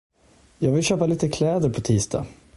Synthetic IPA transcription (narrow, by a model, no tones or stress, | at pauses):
jɑːɡvɪlɕøːpaliːt̪əkʰlɛːd̪əɾpʰɔt̪ʰiːst̪ʰɑ̰ː